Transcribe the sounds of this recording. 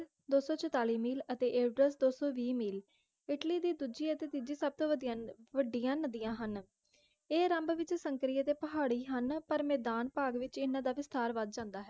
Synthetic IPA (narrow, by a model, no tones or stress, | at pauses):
d̪oːsɔːt͡ʃʰət̪aːliːmiːlət̪eːʔeːɖɾəsd̪oːsoːʋiːmiːl | ɪʈliːd̪iːd̪uːd͡ʒiːət̪eːt̪ɪd͡ʒiːsəb̚t̪õːd̪ʋəɖɪjãːnəd̪ijãːɦən | eːɾəmbʋɪt͡ʃsəŋkɾiːət̪eːpəɦaːɽiːɦənpəɾmeːd̪aːnpaːɡʋɪt͡ʃɪnãːd̪aːʋɪst̪aːɾʋəd̪̚d͡ʒãːnd̪aːɦɛː